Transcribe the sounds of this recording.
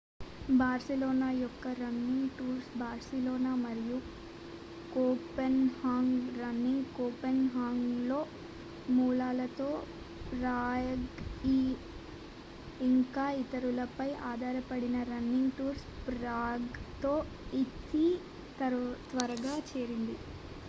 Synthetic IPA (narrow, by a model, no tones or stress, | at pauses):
baːɾsɛlɔːnaːjɔkːɐɾɐnːiŋɡʈuːɾsbaːɾsɛloːnaːmɐɾiju | koːpenhaːŋɡɾɐnːiŋɡkoːpenɦaːŋɡlo̞ː | muːlaːlɐt̪o̞ː | pɾaːjɐɡi | iŋkaːit̪ɐɾulɐpɐjʔaːd̪ʱaːɾɐpɐɽinɐɾɐnːiŋɡʈuːɾspɾaːɡt̪oː | it̪i | t̪ɐt̪ʋɐɾɐɡaːt͡ʃeːɾind̪i